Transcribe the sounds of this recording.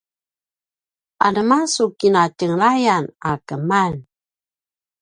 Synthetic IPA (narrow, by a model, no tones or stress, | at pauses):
ʔa̰nəmasukinatəŋlajanakəman